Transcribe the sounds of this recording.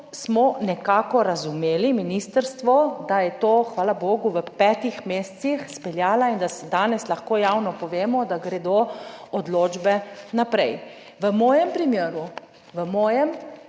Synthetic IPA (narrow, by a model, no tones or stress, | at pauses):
smɔnɛkaːkɔɾazumeːliminiːst̪əɾst̪ʋɔd̪ajɛt̪oːxʋaːlaboːɡuʋəpɛt̪ixmeːst̪sixspɛljaːlaind̪asɛd̪aːnɛslaxkoːjawnɔpɔʋeːmɔd̪aɡɾɛd̪oɔd̪loːd͡ʒbɛnapɾɛj | ʋəmɔːjɛmpɾimjeːɾu | ʋəmɔːjɛm